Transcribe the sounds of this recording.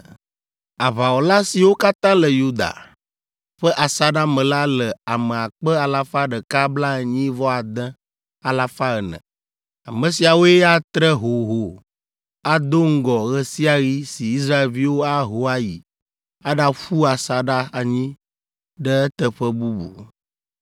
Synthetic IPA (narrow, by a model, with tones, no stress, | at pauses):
a˨βa˨wo˨la˦si˨wo˦ka˦t̪ã˦lə˨ju˦d̪a̰˨ | ɸə˦ʔa˨sa˦ɖa˦mə̃˨la˦lə˨a˨mə˨a˨k͡pə˦a˨la˦fa˦ɖə˨ka˦bla˦ə˨ɲĩ˦vɔ˦a˨d̪ə̃˦ | a˨la˦fa˦ɣə˨nə̰̃˨ | a˨mə̃˨si˨a˨wo˦e˦a˦t̪ɾə˦ɦo˨ɦo˨ | a˨d̪o˦ŋ̩˦ɡɔ˨ɣə˦si˦a˨ɣi˦si˨i˦s̬ɾa˦e˨lvi˦wo˦a˦ɦo˦a˦ji˨ | a˦ɖa˦ɸu˦a˨sa˨ɖa˦a˨ɲĩ˦ | ɖə˦ə˦t̪ə˨ɸə˦bu˦bṵ˨